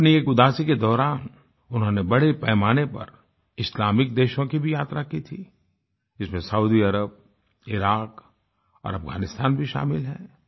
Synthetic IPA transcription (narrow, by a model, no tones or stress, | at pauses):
ɐpnieːkʊd̪aːsiked̪ɔːɾaːn | ʊnɦõːnebɐɽepɛːmaːnepɐ̰ɾ | ɪslaːmɪk̚d̪eːʃõkibʱijaːt̪ɾakit̪ʰiː | d͡ʒɪsmẽsɐuːd̪iɐɾəb̚ | ɪɾaːk | ɔ̰ːɾɐfɡa̰ːnɪst̪aːnbʱiʃa̰ːmɪlɦɛ̰̃ː